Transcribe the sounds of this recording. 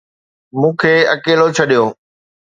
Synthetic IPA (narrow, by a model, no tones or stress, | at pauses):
mũːkʰeːɐkeːlot͡ɕʰɐɗijoː